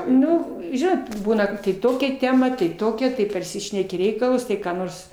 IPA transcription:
ˈnʊ ˈʒʲɪnoːt ˈbuːnɐ kɐt tɐɪ ˈtoːkʲɛ ˈtʲæːmɐ tɐɪ ˈtoːkʲɛ tɐɪ pɐrʲˈsʲɪʃʲnʲɛkʲɪ ˈrʲɛɪkɐlˠʊs ˈtɐɪ kɑː ˈnoːrs

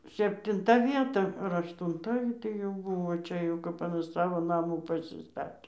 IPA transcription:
sʲɛpʲtʲɪnˈtɐ ˈʋʲiɛtɐ ɐr ɐʃtʊnˈtɐ ɡʲɪ tɐɪ jɛʊ ˈbʊʋoː ˈt͡ʃʲɛ jɛʊ ˈkɐp sɐˈʋoː nɐˈmuː pɐsʲɪˈstɑːtʲeː

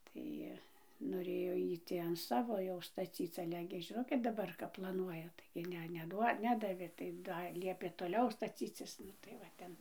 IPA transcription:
ˈtɐɪ noːˈrʲeːjoː ˈjiː ˈtʲiː ɐn ˈsɑːʋoː jɛʊ stɐˈt͡sʲiːt͡s ˈɑːlʲɛ ɡʲɪ ʒʲɪˈnoːt dɐˈbɐr kɐp plˠɐˈnuɔjɛ tɐɪɡʲɪ ˈnʲɛ nʲɛˈduɔ ˈnʲæːdɐʋʲeː tɐɪ ˈdɐr ˈlʲiɛpʲeː toːˈlʲɛʊ stɐˈt͡sʲiːt͡sʲɪs ˈnʊ tɐɪ ʋɐ ˈtʲɛn

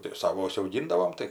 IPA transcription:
tʲɪk ˈsɑːʋoː ʊʃʲsʲɛʊˈɡʲɪndɐʋoːm ˈtɐɪ

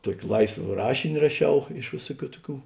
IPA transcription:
ˈtuɔkʲɪ ˈlˠɐɪsʋɐ ˈrɑːʃʲɪnʲɪ rɐˈʃʲɛʊ ɪʃ ˈʋʲeːsʊˌkʲuː ˈtʊˌkʲuː

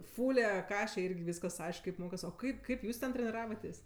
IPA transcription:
ˈfʊlʲɛ ˈkɑːʃʲɛ ˈɪrʲɡʲɪ ˈʋʲiːskɐs ˈɐɪʃk kɐɪp ˈmoːkɐs oː ˈkɐɪp ˈkɐɪp ˈjuːs tʲɛn tʲrʲɛnʲɪˈrɑːʋɐtʲeːsʲ

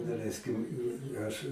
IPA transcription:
dɐˈlʲɛɪsʲkʲɪm ˈɐʃ

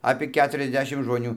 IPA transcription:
ɐpʲiɛ ˈkʲæːtʊrʲɛzʲˌdʲæːʃʲɪm ʒmoːˈnʲuː

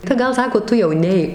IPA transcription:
tɐɪ ˈɡɐlˠ ˈsɑːkoː ˈtʊ jɛʊ ˈnʲɛɪk

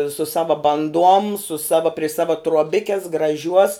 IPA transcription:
sʊ ˈsɑːʋɐ bɐnˈduɔm sʊ ˈsɑːʋɐ pʲrʲɪ ˈsɑːʋɐ truɔˈbʲɪkʲɛs ɡrɐˈʒʲuɔs

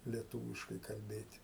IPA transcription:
lʲiɛˈtuːʋʲɪʃkɐɪ kɐlʲˈbʲeːtʲ

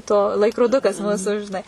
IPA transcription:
ˈtoː lˠɐɪkroːˈdʊkɐs ˈmuːsʊ ʒʲɪˈnɐɪ

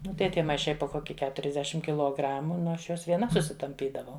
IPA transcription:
ˈnʊ tɐɪ ˈtʲiɛ mɐɪˈʃɐɪ poː ˈkoːkʲɪ kʲɛtʊrʲɛzʲˈdʲæːʃʲɪm kʲɪlˠoːˈɡrɑːmʊ ˈnʊ ˈɐʃ ˈjuɔs ʋʲiɛˈnɐ sʊsʲɪtɐmʲˈpʲiːdɐʋɐʊ

